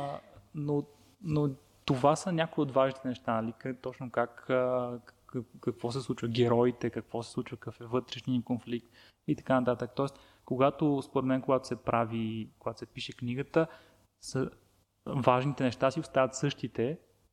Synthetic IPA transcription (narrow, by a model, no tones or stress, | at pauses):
no | no | t̪ovasənʲakoiod̪vaʒnit̪ɛnɛʃt̪anɐlit̪ɔt͡ʃnokak | kɐkvɔs̬ɛslˠut͡ʃvəɡɛɾɔit̪ɛkɐkvɔsɛ̥slˠut͡ʃvəkɐfɛvɤt̪ɾɛʃniəkonflik̚t̪ | it̪ɐ̥kanɐt̪at̪əkt̪ɔɛs | koɡat̪ospoɾɛt̪mɛnkoɡat̪o̥sɛpɾʔavikoɡat̪o̥sɛpiʃɛkniɡət̪ə | sə | vaʒnit̪ɛnɛʃt̪asiost̪avət̪sɤʃt̪it̪ɛ